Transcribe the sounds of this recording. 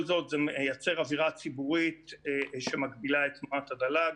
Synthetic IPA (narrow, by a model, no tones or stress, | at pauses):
lzo̞t̪zemjat͡seʁaviʁat͡sibuʁit̪ʃemaɡbilaet̪mat̪adala